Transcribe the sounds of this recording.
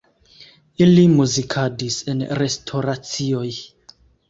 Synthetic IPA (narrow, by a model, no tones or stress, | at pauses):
ilimuzikʰadisenɾe̞stʰo̞ɾat͡sio̞j